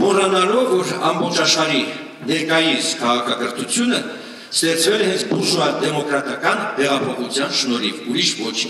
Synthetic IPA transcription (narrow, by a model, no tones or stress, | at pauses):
mɔrɑnɑlɔvːɔɾɑ̰mbɔχt͡ʃʰɑʃχɑɾi | nɛɾkɑjiskʰɑʁɑkʰɑkəɾt̪ʰut͡sʰjunə | st̪ɛχt͡svɛlɛhɛnt͡sʰbuɾʒvɑd̪ɛmɔkɾɑt̪ɑkɑnvɛʁɑpʰɔχut͡sʰjɑnʃnɔɾivuɾiʃvɔt͡ʃʰ